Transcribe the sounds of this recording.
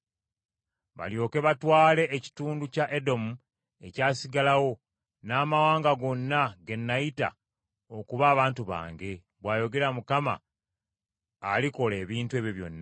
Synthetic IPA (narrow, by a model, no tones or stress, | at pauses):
βa̰ljo̞ːke̞βatwaːle̞ʔːci̥tuːnducaʔedo̞mu | e̞caːsiɡalawo̞ | naːmawaːŋɡaɡo̞nːaɡe̞nːajita̰ | okuβaːβaːntuβa̰ːŋɡe̞ | βwaːjo̞ɡe̞ɾamukama̰ | liko̞le̞ːβiːntue̞ːβjoβjo̞̰nːa